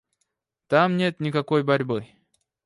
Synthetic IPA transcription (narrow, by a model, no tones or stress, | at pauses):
t̪amnʲe̞t̪nʲɪkɐko̞jbɐɾʲbɨ